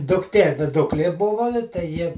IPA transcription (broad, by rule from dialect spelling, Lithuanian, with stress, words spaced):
dʊkˈtʲiɛ ʋʲɪˈdʊklʲiɛ ˈbʊʋoː tɐɪ ˈjɪ